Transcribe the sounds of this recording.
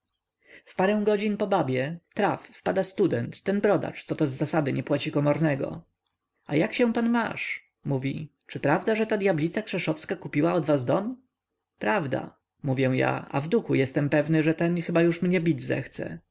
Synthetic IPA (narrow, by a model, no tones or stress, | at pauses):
fpaɾɛw̃ɡɔd͡ʑinpɔbabʲjɛt̪ɾafːpad̪ast̪ud̪ɛnt̪ːɛnbɾɔd̪a̰t͡ʂt̪sɔt̪ɔzːasad̪ɘɲɛpwat͡ɕikɔmɔɾnɛɡɔ̰ | ajakɕɛ̃panma̰ʂ | muvʲḭ | t͡ʂɘpɾavd̪aʐɛt̪ad̪ʲjablʲit̪sakʂɛʂɔfskakupʲiwaɔd̪vazd̪ɔm | pɾavd̪a̰ | muvʲjɛw̃ja̰a̰vd̪uxujɛst̪ɛmpɛvnɘʐɛt̪ɛnxɘbajuʂmɲɛbʲid͡ʑzɛ̰xt̪sɛ̰